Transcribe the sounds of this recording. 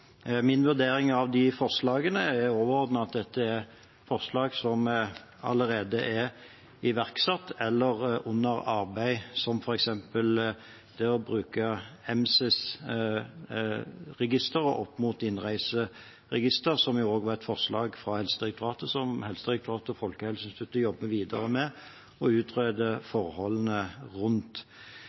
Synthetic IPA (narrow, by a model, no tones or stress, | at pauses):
mɪnʋʉʁd̪eːɾɪŋɑʋd̪ɪfɔʁʂlɑːɡənəɛɾoːʋəʁɔːd̪nəɑt̪̚d̪ɛt̪ʰːəɛʁ | fɔʁʂlɑːɡsɔm | ɑ̰ləɾeːd̪əʔɛɾ | ɪʋæʁksɑt̪ːɛlːəʁʔʊnːəɾɑɾbæɪsɔmfɔɾɛksɛmpəl | t̪ʰɪɔbʁʉːkəɛmsɪs | ʁɛɡɪst̪əɾəʔɔpːmuːt̪ɪnʁæɪsə | ʁɛɡɪst̪əʁsɔmjʊoːɡʋɑʁɛt̪fɔʁʂlɑːɡfʁɑhɛlsəd̪ʁɛk̚t̪ʊʁɑːt̪əsɔmhɛlsəd̪ʁɛk̚t̪ʊʁɑːt̪əɔfɔlkəhɛlsənst̪ʰʉt̪ːəjɔbːəʋiːd̪əʁəmɛ | ɔʉːt̪ʁøːd̪əfɔʁhɔlːənəʁʉnt̪